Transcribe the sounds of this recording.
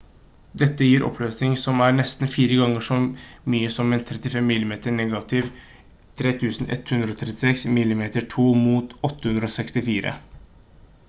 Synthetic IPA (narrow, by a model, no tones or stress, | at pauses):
d̪ɛt̪ːəjiːɾʔɔ̰pʰløːsnɪŋsɔmæːɾɳɛst̪n̩fiːɾəɡɑŋːəʂɔmyːəsɔmɛɪnt̪ʰɾɛt̪ɪfɛmːɪlːɪmeːt̪əɳɛːɡɑt̪ɪʋ | t̪ʰɾeːt̪ʰʉːsn̩ʔɛ̰t̪hʉnd̪ɾəɔːt̪ʰɾɛt̪ːɪsɛksmɪlːɪmeːt̪əʈʰuːmuːt̪ɔt̪ːəhʉnd̪ɾɔoːsɛkst̪ɪfiːɾə̰